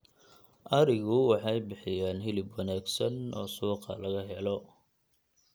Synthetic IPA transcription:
ʔɐɾɪɣʊwɑħɑjbɪħɪjaːnɦɪlɪbwɐnaːɡsɐnɔ̰ːsuːqɑ̰lɐɣɐɦɛlɔ

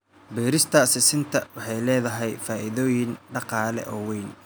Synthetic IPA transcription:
bɛːɾɪst̪ʰɐsɪsɪnt̪ʰɐwɑħɑjlɛːðɐɦɛjfaːʔɪðɔːjɪnɖɑqɑːlɛ̰ʔɔːwɛjn

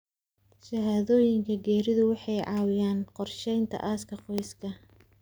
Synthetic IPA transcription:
ʃɐɦaːðɔːjɪŋkʰɐɡɛːɾɪðʊwɑħɑjʕɑːwɪjaːnqɔrʃɛjnt̪ʰɐ̰ʔaːskʰɐqɔjskʰɐ

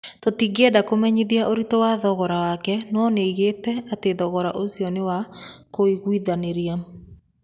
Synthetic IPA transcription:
totiɡɛdakomɛɲiðiaʔoɾitowaðɔɣɔɾawakɛnɔneiɣetɛateðɔɣɔɾaʔosiɔnewakoiɣwiðaneɾia

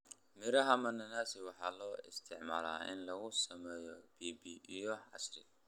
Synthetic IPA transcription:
mɪɾɐɦɐmɐnɐnaːsɪwɑħɑːlɔːɪst̪ʰɪʕma̰ːla̰ːʔɪ̰nlɐɣʊsɐmɛːjɔb̥iːbiʔijɔʕɑsrɪ

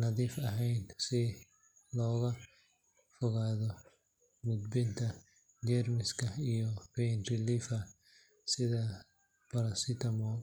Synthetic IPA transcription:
nɐðiːfɐɦɛjnsɪ | lɔːɣɐ | fʊɣaːðɔ | mʊd̪bɪnt̪ʰɐ | d͡ʒɛɾmɪskɐijɔpɛjnɾɪlifɐ | sɪðɐ | pɐɾɐsɪt̪ɐmɔː

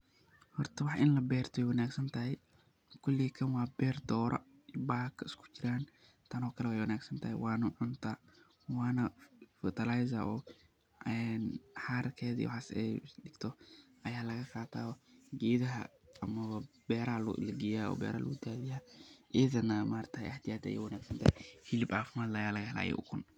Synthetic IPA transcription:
hɔrt̪ʰɐwɑħʔɪnlɐbɛːrt̪ʰɔɛjwɐnaːɡsɐnt̪ʰɐɦɛj | kʰʊlːikʰɐnwɑːbɛːrd̪ɔːɾʔɔ̰ | baːkʰɪskʰʊ̥t͡ʃɪɾaːn | t̪ʰɐnɔːkʰɐlɛwɛjwɐnaːɡsɐnt̪ʰɐhɛ̰jwɑːnɐʕʊnt̪ʰaː | wɑːnɐfɔt̪ʰɐlajsɐʔɔː | ɛnħaːɾkʰɛːðɐḭw̰ħaːsɛ̰jɖɪɡ̥t̪ʰɔʔɐjaːlɐɣɐqaːt̪ʰa̰ːɔɡeːðɐɦɐ̰ːmɐβɐbɛːɾɐhɐlʊ̰ʔɪ̰lɡɪjaːɔ̰ːbɛ̰ːɾɐ̰l̰ud̪aːðɪjaːʔɛːðɐnɐmaːrt̪ʰɐɛ̰ɐht̪ʰɪjaːd̪ɐ̰jɛ̰jwɐnaːɡsɐnt̪ahɛhɪlɪbaːfɪmaːd̪lɐjaːlɐɣɐɦɛla̰ːjɛ̰ʔʊ̰kʰʊn

